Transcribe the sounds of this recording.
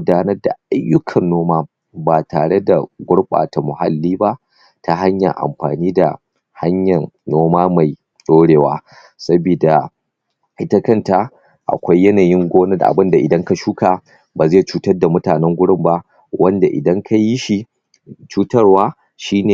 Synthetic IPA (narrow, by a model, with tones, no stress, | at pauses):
ʊ˦daː˦nɐ˦rda̰˨ʔa˦jːʊ˦kʰɐ˨nːoː˦maː˦ | ba˨taː˨ɽe˦da˨ɡʷʊ˦ɽɓʼa̰ː˨ta˨mʊ˨ha̰˦lːiː˦ba˦ʔ | tʰa˦ɦa˦ɲjɐ̰˨ŋʔa̰˨mɸaː˨niː˦da̰˨ | ha˦ɲjɐ˨nːoː˦maː˦ma˨j | ɗoː˦ɽeː˨wa̰ː˦ | sɐ˦bi˨da˨ | ʔɪ˦ta˦kɐ˦˨nta˨ | ʔa̰˨kʷa˦jːɐ˦naː˨jɪ˦ŋɡʷoː˦nɐ˦dʔa̰˨bɨ˦nda˨ʔɪ˨dɐ˦ŋka˨ʃuː˦ka˨ | baː˨zɐ˦ja˨t͡ʃuː˦tɐ˦rda˨mʊ˦taː˨nɛ˦ŋɡʷʊ˦ɽɪ˦mba˦ | wʔɐ˦nda˨ʔɪ̰˨dɐ˦ŋkʰa˦jɪ˦ʃi˨ | t͡ʃuː˦tɐ˦rwaː˦ | ʃiː˦neː˨